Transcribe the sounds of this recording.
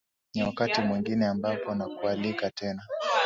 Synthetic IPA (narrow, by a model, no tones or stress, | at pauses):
niwakatimwiŋɡinɛambapɔnakualikatʰɛna